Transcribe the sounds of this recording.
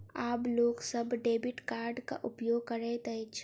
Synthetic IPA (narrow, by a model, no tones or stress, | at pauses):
aːploːɡsɐbɖeːbɪʈkaːɾɖka̰ʔʊpjoːɡ̚kɐɾɛt̪ɐɪt͡ʃʰ